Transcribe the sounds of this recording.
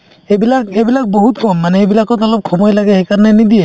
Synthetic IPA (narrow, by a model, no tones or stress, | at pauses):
ebilak̚ejbilak̚boɦutkɔmːanɛejbilakɔtɔlɔp̚kʰɔmɔjlaɡɛxejkaɹnɛnid̪ijɛ